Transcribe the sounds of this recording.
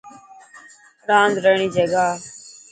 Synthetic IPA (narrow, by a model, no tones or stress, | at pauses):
ɾãːnd̪ɾəɳ̃iːd͡ʒəɡaː